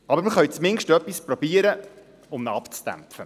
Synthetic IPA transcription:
ɑbəɾməχœɥt͡smɪŋʃtœpːispɾɔbiːəɾə | ʊmnəɑpt͡sd̥æ̰mfə

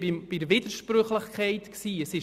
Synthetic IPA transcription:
b̥iɾvid̪̥əɾʃpɾøχləχkʰɛɪtksiːəsɪ

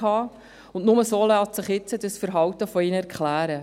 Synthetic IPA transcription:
hɑː | ʊndnʊməsoːlɑːtsɪχjɪt͡səd̥əsfəɾɦɑwtəfɔiːnəɛɾkχlæːɾə

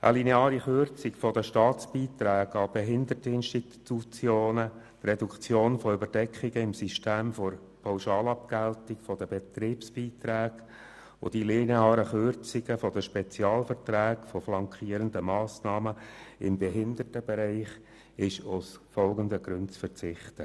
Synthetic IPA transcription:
ʔə̰lineɑːɾiχʏrt͡sɪkfɔd̪əʃtɑːtt͡sb̥iːt̪ɾæːɡɑb̥ɛɦɪnd̪ətəɪnʃti | tut͡sjoːnə | t̪rɛdukt͡sjoːnfɔʏbəɾdɛkχiɡəɪmsiʃteːmfɔɾ | pʰɑʊʃɑːlɑp̚kæltɪkfɔd̪əbet̪ɾiːpsb̥iːt̪ɾæːɡ | o̰d̥ileːneɑːɾəχʏɾt͡siɡəfɔd̪əʃpɛt͡sjɑːlfəɾtɾæːɡ̥fɔflɑŋkχiːəɾənd̪əmɑːsnɑːməɪmbɛɦɪnd̪ərtəb̥ɛɾɛɪχ | ɪʃʊsfɔlɡənd̪əɡ̥ɾʏntt͡sfəɾt͡sɪχt̪ə

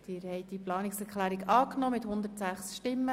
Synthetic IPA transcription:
d̥̪ɪːɾhɛɪtdiplɑːnɪksɛɾklæːɾikɑːknɔmɪthʊnd̪ətsæχsʃtɪmːə

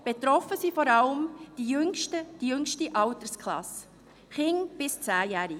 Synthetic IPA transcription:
b̥et̪ɾɔfəsiːfɔɾɑləmd̥ijʏŋʃtəd̥ijʏŋʃtiʔɑwtəskʰlɑ̰s | χɪŋb̥ɪst͡sæːjæːɾɪ

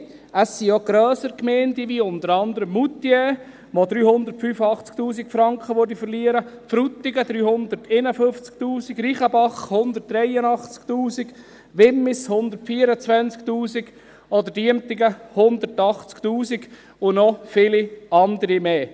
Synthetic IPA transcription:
əsːioɡ̥ɾœːsəɾkmɛːndiʋiʊnd̪əɾɑnd̪əɾəmːut̪ːjɛ | ʋɔd̪ɾyːhʊnd̪ətfyːfɑχt͡skt̪uːs̬ikfɾɑŋkχəʋøɾdifəɾliəɾəfɾut̪ːiɡəd̥̪ɾyːhʊnd̪əɾtenəfɵft͡sk̚tuːsiɡɾiːχəbɑχhʊnd̪ərt̚d̥ɾɛjənɑχt͡skt̪uːsiɡ̥ | ʋɪmːɪshʊnd̪ərtfiːəɾət͡sʋænt͡skt̪uːsiɡ̥ | ɔd̪ədiəmt̪iɡəhʊnd̪əɾtɑχt͡skt̪uːsiɡ | ʊnɔfɪliɑnd̪əɾimeː

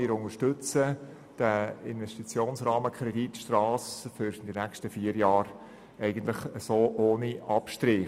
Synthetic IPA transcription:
ɪɾʊŋəʃtɵt͡sə | d̥əɪnvɛʃtit͡sjoːnsrɑːməkʰɾɛditʃtrɑːsfyɾd̥inækʃtəfiəɾjɑːɾ | ɛɪɡ̥ənt̪ləχəsoːʔoːniɑpʃtɾiː

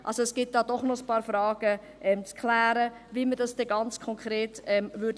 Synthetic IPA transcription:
ʔalsoɛsɡ̥ɪt̚d̥ɑːdɔχnɔəspɑːɾfrɑːɡ̥ə | ʔɛmt͡skʰlæːɾə | viːmədɑsd̥ɛɡɑnt͡skʰɔŋkɾeːtɛmvʏd

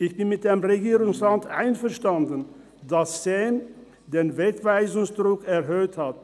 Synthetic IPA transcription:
ʔɪçb̥ɪnmɪt̚d̥emʁeɡiːʁʊŋsʁantʔa̰ɪnfɛɐʃtandən̩ | dassɛn | deːnvɛːkv̥aɪzʊŋsd̥ʁʊkɛɐɦøːthat

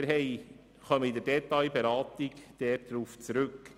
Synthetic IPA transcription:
ɾɦɛj | χœməid̪ɛɾdɛt̪ɑjbeɾɑːt̪iɡd̥ɛːt̚d̪ɾuːft͡sɾʉk

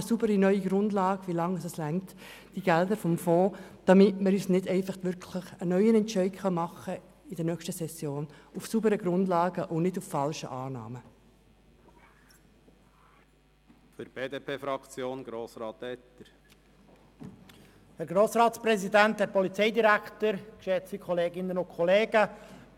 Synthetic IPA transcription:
subəɾinœʏiɡɾʊndlɑːɡʋilɑŋəsəslæŋt | d̥iɡ̥ɛld̪əɾfɔmfoːd̥ɑmɪtməɾyːsnɪdɛɪfɑχtʋʏɾkʰləχənœʏənɛntt͡ʃɛɪɡχɑnmɑχə | ɪdɛnœkʃtəsɛsːjoːnufsubəɾəɡɾʊndlɑːɡəʔʊnɪduffɑlʃə̰ʔɑːnɑ̰ːmə | føɾb̥eːd̪eːpʰeːfɾɑkt͡sjoːnɡ̥ɾoːsɾɑːt̪ɛt̪ːəɾ | hɛɾɡɾoːsɾɑːtspɾɛzid̪ænt̪hɛɾpɔlit͡sɛɪd̪iɾækt̪əɾkʃɛt͡sikʰχɔleːɡɪnːənʊkʰχɔleːɡ̥ə

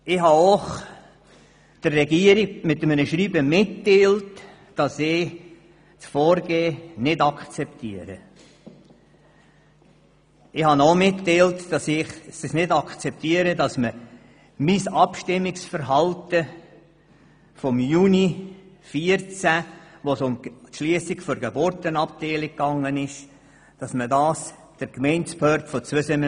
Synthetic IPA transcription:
ɪhɑoχ | d̥ərːɛɡiəɾiɡmɪtːəmənəʃɾiːbəmɪtːeːlt | d̥ɑsɪː | t͡sfɔːɾɡeːnɪdɑkt͡sɛptʰiəɾə̰ | ɪhɑnomɪtːeɪltd̥ɑsɪχsəsnɪdɑkt͡sɛp̚tiəɾədɑsmə | misɑpʃtɪmːɪksfəɾɦɑltə | fɔmjuːni | fiəɾt͡sæʋosʊmtʃliəsɪkfɔɾɡebʊɾtənɑp̚tɛɪlɪkːɑŋːənɪʃ | d̥ɑsmədɑːs | d̥əɾkmɛɪnspœːɾtfɔt͡sʋʏsənə

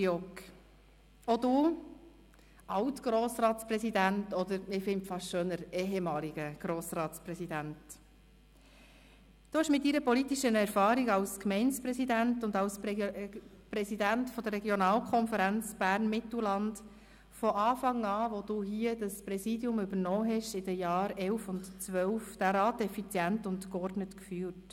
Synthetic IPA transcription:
jɔk | ɔd̪uː | ɑwtɡ̥ɾoːsɾɑːtsprɛsid̪æntɔd̪əɾɪfɪntfɑʃʃøːnəɾɛːɦɛmɑːliɡ̥əɡ̥ɾoːsrɑːtspɾɛsidænt | d̥oɪʃmɪtːiɾəpɔlitiʃənɛɾfɑːɾiɡɑwskmɛɪnspɾɛsidæntʊnd̪ɑws | pɾɛsidæntfɔd̥̪ərɛɡjɔnɑːlkχɔnfəɾænt͡sb̥æːrnmɪt̪l̩lɑnd | fɔʔɑːfɑŋɑːʋod̥uɦiəd̥əspɾɛsiːdjʊmʏbəɾnɔːɦɛʃɪd̥əjɑːɾɛlfʊntt͡sʋœlfd̥æːɾɑːtɛfit͡sjæntʊntkɔrdnətkfyːt

